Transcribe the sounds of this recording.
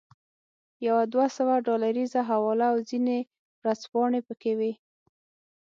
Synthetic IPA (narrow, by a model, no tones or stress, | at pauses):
jawad̪wasəwaɖɑlaɾizaɦawɑlaːwzine | wɾazpɑɳepəkewe